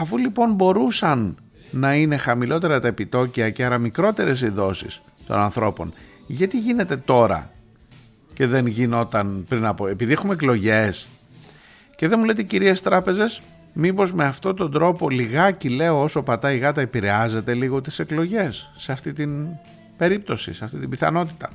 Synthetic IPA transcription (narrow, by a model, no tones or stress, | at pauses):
ɐfulipo̞nbo̞ɾusɐnː | ɐine̞xɐmilo̞t̪e̞ɾɐt̪ɐepit̪o̞ciɐceɐɾɐmikɾo̞t̪e̞ɾe̞s̬iðo̞sḭs | t̪o̞̰nɐnθɾo̞po̞̰n | ʝɐt̪iʝine̞t̪e̞t̪o̞ɾɐ̰ | ce̞ðe̞nʝino̞t̪ɐnpɾinɐpoe̞piðiexumeklo̞ʝes | ce̞ðe̞mule̞t̪eciɾiest̪ɾɐpe̞ze̞s | mibo̞zme̞ɐft̪o̞t̪o̞nd̪ɾo̞po̞liɣɐcile̞oosopɐt̪ɐiɣɐt̪ɐepiɾe̞ɐze̞t̪e̞liɣo̞t̪i̥se̞klo̞ʝe̞sːeɐft̪it̪in | b̥e̞ɾip̚t̪o̞sḭseɐft̪it̪imbiθɐ̰no̞t̪i̥t̪ɐ